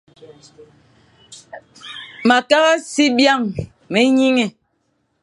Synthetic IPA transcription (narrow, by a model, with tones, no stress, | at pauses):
ma˨ka˦ɣa˦si˦bja˦˨ŋ | me˨ɲi˦ŋe˨